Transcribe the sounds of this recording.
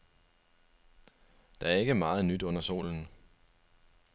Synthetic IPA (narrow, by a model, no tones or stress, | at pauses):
d̥ɑ̈æɐe̝ɡ̥əmɑ̈ːð̩ˠnyd̥ɔ̽n̰ɐso̝̰ːln̩